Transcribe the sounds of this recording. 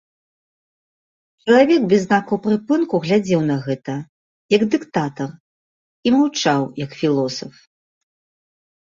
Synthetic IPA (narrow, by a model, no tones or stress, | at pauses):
t͡ʂɐlˠavʲɛɡbʲɛznakɐwpɾɨpɨnkuɣlʲad͡zʲɛwnɐɣɛt̪ɐ | jɐɡd̪ɨkt̪at̪ɐr | imawt͡ʂawjɐkfʲilˠɔsɐf